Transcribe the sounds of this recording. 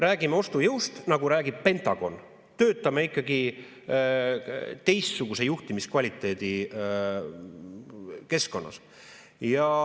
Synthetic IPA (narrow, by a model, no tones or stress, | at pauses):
ræːɡimeo̞st̪ujɯwst̪nɑɡ̥uɾæːɡ̥ib̥̚pe̞nt̪ˑɑɡ̥o̞̰n | t̪øːt̪ːˑɑmeikːˑɑɡi | t̪e̞jst̪suɡ̥use̞juht̪imiskvɑlʲit̪ːˑe̞ːd̪̥i | ke̞sko̞nːɑ̰s | jɑ